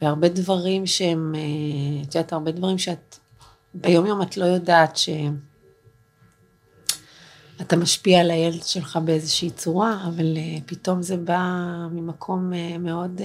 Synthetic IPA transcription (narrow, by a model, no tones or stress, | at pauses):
b̥eaʁbe̞dvaʁimʃeemet̪ud̪aːtaʁbe̞dvaʁimʃeat | bejo̞mjo̞matlo̞jodaːtʃe̞ | atamaʃpialajeledʃe̞lχabeezeʃiiːt͡suʁaːvalepito̞mzebamimakʰo̞meme̞o̞d